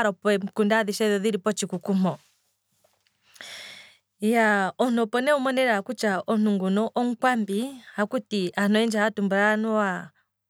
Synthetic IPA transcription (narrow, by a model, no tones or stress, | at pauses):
ɾɔpɛkundaðiʃɛðɔðiɾipɔt͡ʃikukumɔ | jaɔn̥ɔpɔnɛumɔnɛɾaakut͡ʃaʔɔn̥uŋɡunɔʔɔŋ̩kwambihakutianɔɛnd͡ʒahatumbuɾanɔwa